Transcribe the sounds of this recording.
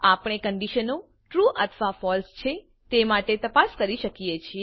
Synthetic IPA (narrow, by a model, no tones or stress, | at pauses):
apɽ̃ekəɳɖiʃəno | ʈɾuʔət̪ʰəʋafɔlst͡ʃʰe | t̪emaʈet̪əpaskəɾiʃəkijet͡ʃʰie